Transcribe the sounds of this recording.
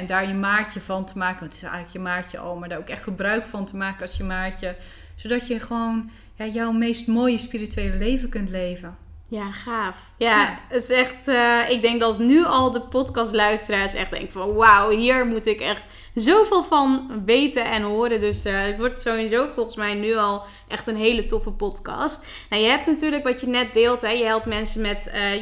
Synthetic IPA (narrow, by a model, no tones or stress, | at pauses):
ɛndaːɹjəmaːɹcəvɑntʰəmaːkəɔntɪ̥sɛ̰ələkjəmaːɹcəʔɔ̰lˠmaɹdaːokɛχtχəbrœɥkfɑntəmaːkənɑlˠsjəmaːɹcə | sodɑtjəχəʋown | jaːjɔwmejstmoːjəspirityejləlejvəkɵntlejvə | jaχaːf | jaətɪsɛχtɪɡ̚dɛŋk̚dɑtnyɔlˠdəpɔtkɑstlœɥstəraːɹsɛ̰χd̥ɛ̰ŋkəfɔnwawɦiːɹmutɪkɛxt | zowvɪlˠfɑnʋejtəʔɛnɦoːɾəndøsɪkʋɔɹtsowɪnzowfɔlˠχənsmɛjnyɔlˠ | ʔɛxtənɦejlətɔfəpɔtkɑ̰st | nawjəɦɛp̚tnatyːɹləkʋɑtjənɛt̚dɪːlˠtɦɛjəɦɛlˠp̚tmɛnsəmɛtə